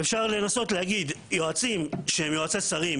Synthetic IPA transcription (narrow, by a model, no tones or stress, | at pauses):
efʃaʁle̞naso̞tleaɡid̪jo̞at͡simʃehemjoat͡sesaʁim